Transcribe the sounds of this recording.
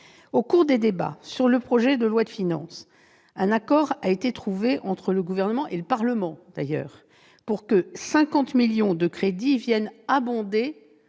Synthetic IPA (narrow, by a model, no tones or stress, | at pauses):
okuʁd̪ed̪eba̰syʁləpχɔʒɛd̪əlwad̪əfinɑ̰̃s | ɛ̃nakɔʁaet̪et̪χuveʔɑ̃t̪χələɡuvɛʁnəmɑ̃ʔeləpaʁləmɑ̃d̪̥a̰jœ̰ːʁ | puʁkəsɛ̃kɑ̃t̪miljɔ̃d̪əkχed̪ivjɛnabɔ̃d̪e